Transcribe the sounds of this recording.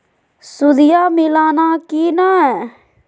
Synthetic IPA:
sʊd̪ɪjaːmɪlaːnaːkiːnaɛ

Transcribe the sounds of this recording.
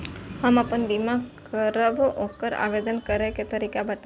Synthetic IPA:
həmapənbimakəɾəbokəɾa̰ʋed̪ənkəɾeket̪əɾikabət̪

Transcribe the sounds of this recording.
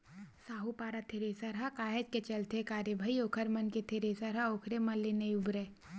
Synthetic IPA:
saːɦupaːɾat̪ʰeɾeːsaɾɦakaːɦed͡ʒket͡ʃɐlt̪ekaːɾjəbʱəioːkʰəɾmɐnket̪ʰeɾeːsɐɾɦaoːkʰɾemɐlːenɐjʊbɾe

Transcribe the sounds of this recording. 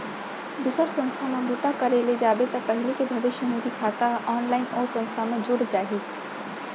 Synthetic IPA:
d̪uːsəɾsɐ̃nst̪ʰamẽbut̪akɐɾeled͡ʒaːbet̪ɔpɛɦɪlekebʱɐʋɪʃjəmoːd̪ikʰaːt̪aɔːnlaːɪnɔːɾsɐ̃nst̪ʰamẽd͡ʒʊɽd͡ʒaːɦiː

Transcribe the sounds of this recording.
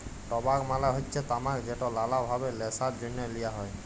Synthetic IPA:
ʈɔbakmalaɦotːsʰɛt̪amakd͡ʑeʈɔlalabʱabelɛsadonːjɔlijaɦɔj

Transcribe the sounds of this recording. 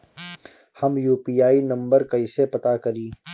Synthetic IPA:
hɐmjuːpiːjaːinɐ̃mbəɾkɐɪsepɐt̪akɐɾiː

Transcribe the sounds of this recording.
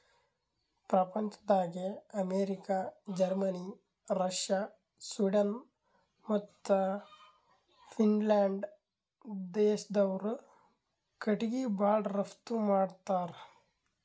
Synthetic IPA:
pɾɐpɐɲt͡ʃɐ̥d̪aːɡeɐmeːɾikad͡ʒɐɾmɐni | ɾɐʂjaː | swiɖɐn | mɐt̪ːɐ | fʰinlaːɳɖ | d̪eːʃɐd̪ɐʋɾ | kɐʈiɡibaːɖɾɐft̪umaːɽt̪aːɾ

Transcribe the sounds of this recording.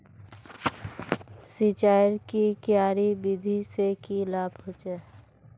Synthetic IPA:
sit͡ʃaːjɾkikjaːɾibɪd̪ʱisekilaːbɦot͡ʃɛː

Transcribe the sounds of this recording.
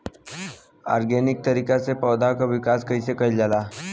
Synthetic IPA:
a̰ɾɡenik̚t̪əɾikat͡sepəwd̪akaʋikaskəjsekəjld͡zala

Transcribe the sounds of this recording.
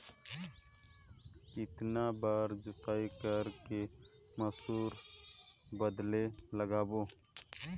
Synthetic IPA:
kɪt̪nabaːɾd͡ʒʊt̪aːikəɾke | məsuːɾ | bəd̪leləɡaːboː

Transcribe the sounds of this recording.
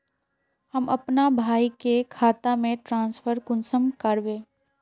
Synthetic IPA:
həmɐpnabʱaːikekʰaːt̪amẽʈɾãːnspʰəɾkʊnsəmkəɾʋẽː

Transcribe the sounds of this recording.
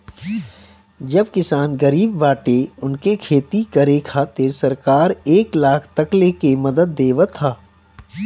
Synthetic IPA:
d͡ʒɐbkɪsaːnɡəɾiːbʋaːʈeʊnkekʰeːt̪ikɐɾekʰat̪eːɾsɐɾkaːɾeːklaːkʰt̪ɐklekemɐd̪əd̪ːeːʋət̪ʰːaː

